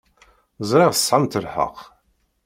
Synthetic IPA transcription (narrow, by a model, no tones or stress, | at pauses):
zˤɾiʁsˤʕamt̪əlħə̰q